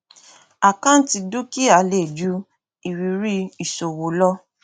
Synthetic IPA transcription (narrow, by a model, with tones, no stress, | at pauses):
a˨kã˦n̩˦ti˧du˦ki˦a˨le˦˨d͡ʒu˦ | i˨wi˨˦ɾi˦i˨so˨wo˨˦lɔ˦